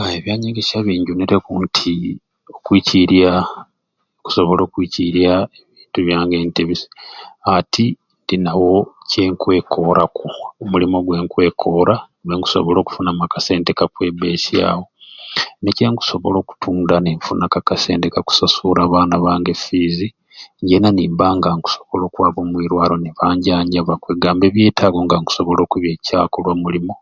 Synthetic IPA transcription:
eβjaːɲeɡeʃaβiːɲɟuniɾekuːntʰi | o̞kwiːciɾia | ku̥so̞βo̞lo̞ːkwiːciɾjaeβiːntuβjaːŋɡe̞ːnteβisi̥atʰi | ndinawo̞ce̞ːŋkwe̞kʰo̞ɾakuomulimo̞ɡwe̞ːŋkwe̞ːkʰo̞ːɾa | eŋɡu̥so̞̰βolo̞ːku̥funamakase̞ːnde̞kakwe̞be̞ːʃja̰ːwo̞neceːŋɡu̥so̞βo̞̰lo̞ːku̥tʰuːndaneɱfunakakase̞̰ːndekaku̥sasuɾaːβaːnaβaːŋɡefizi | ɲɟenaniːmbaŋɡaŋku̥soβo̞lo̞ːkwaːβo̞ːmwiːɾwaːɾo̞niβaːɲɟaːɲɟaβakweːɡaːmbe̞ːβje̞ːtʰaːɡo̞ŋɡaŋɡu̥so̞βo̞lo̞ːkuβje̞ːcaːkolwamulimo̞

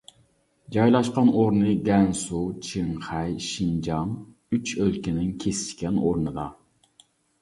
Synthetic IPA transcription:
d͡ʒɑjlˠɑʃqɑnoɾnɨɡʲɛnsut͡ʃʰɪɴχɛjʃind͡ʒɑŋ | yt͡ʃølkʲɪnɪŋkʲʰesɪ̥ʃkʲɛnoɾnɨd̪ɑ

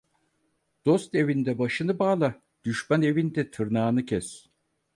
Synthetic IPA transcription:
d̪̥o̞st̪e̞vind̪ɛbaʃɯnɯbaːlˠa | d̪̥yʃmæne̞vind̪ɛt̪ʰɯɾnaːnɯcʰɛs

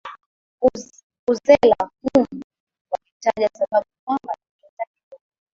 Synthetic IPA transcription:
uzɛlakumu | walitaʄasaɓaɓukwambaniɛtakiɗɔ

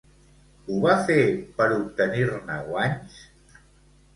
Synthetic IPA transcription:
uβafepəɾup̚t̪əniɾna̰waɲs

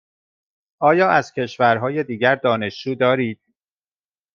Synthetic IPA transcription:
ʔɒːjɒːʔæz̥cʰe̞ʃvæɾɦɒːje̞d̪iːɟæɾd̪ɒːne̞ʃd͡ʒuːd̪ɒːɾiːd̪̥̚

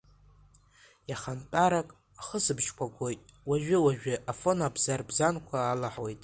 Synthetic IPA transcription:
jaχantʼaɾakʼ | aχəsɨbt͡ʃkʷʰaɡʷʼo̞jtʼwaʒᶣɪwaʒᶣɪʔafo̞nabzarbzankʷʰaːlaħwe̞jtʼ

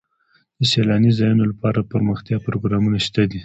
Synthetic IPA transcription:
d̪̥əselɑnizɑjunolapɑɾapəɾməxt̪jɑpɾoɡɾɑmunaʃt̪ad̪i

